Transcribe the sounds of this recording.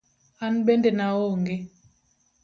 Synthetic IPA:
an̩ɓɛndɛnaoŋɡe

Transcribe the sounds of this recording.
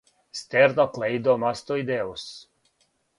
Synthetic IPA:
st̪ɛɾnɔklejd̪ɔmast̪ɔjd̪ɛus

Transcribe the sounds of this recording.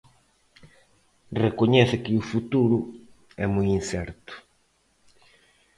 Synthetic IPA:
rekoɲɛθɪkɪufut̪uɾʊ | ɛmujinsɛɾt̪ʊ̥

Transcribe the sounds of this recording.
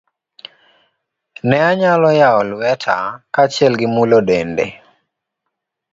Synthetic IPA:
nɛaɲalɔjaɔlwɛtʰa̰kat͡ʃjɛlɡɪmulodendḛ

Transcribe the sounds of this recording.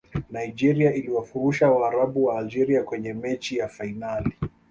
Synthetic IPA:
naid͡ʒɛɾiaʔiliwafuɾuʃawaːɾaɓuwaːld͡ʒɛɾiakwɛɲɛmɛt͡ʃijafainali

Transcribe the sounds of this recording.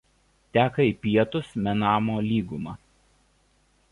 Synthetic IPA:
t̪ʲæːkɐiˑpʲiɛt̪ʊsmʲɛnɑːmoːlʲiːɡʊmɑː

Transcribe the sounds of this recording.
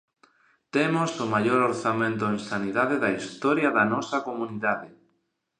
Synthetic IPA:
t̪emosomaʎoɾoɾθamẽnt̪̬oeŋsaniðaðeðɐist̪ɔɾjɐðɐnɔsɐkomuniðaðe

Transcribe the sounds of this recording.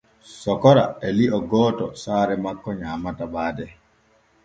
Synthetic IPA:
sɔkɔɾa̰ɛliʔɔɡɔːtɔsaːɾɛmakːɔɲaːmatabaːdɛ

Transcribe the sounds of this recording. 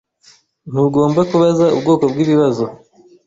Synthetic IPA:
n̥uɡo̞ːmbakuβazaubɡo̞ːko̞bɡiːβiβazo̞

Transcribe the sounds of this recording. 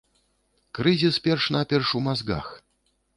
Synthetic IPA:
kɾɨzʲispʲɛrʂnapʲɛrʂumazɡa̰x

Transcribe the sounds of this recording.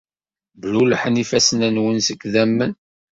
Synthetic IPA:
bluləħənifæsənænwənsəkːðæmːən

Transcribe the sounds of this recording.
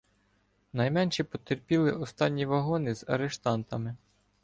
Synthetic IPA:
nɐjmɛnʲʃɛpɔt̪erpʲilˠɪʔɔst̪ɑnʲːiʋɐɦɔnɪzɐ̰ɾeʃt̪ɑnt̪ɐmɪ

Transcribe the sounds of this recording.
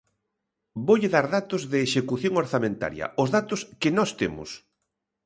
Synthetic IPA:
boʎɪðaɾðat̪ʊzðɪːʃekuθjoŋoɾθamẽnt̪a̰ɾjɐ̰ʊzðat̪ʊskɪnɔst̪emʊ̰s

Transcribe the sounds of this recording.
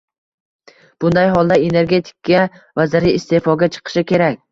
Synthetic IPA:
b̥ʊnd̪ajɦɒlˠd̪ae̞ne̞ɾɡʲe̞t̪ʰɪ̥kːʲa | vazɪɾiːst̪efɒɡʲat͡ʃʰɨ̥qʰɨ̥ʃɪkʲe̞ɾakʲ

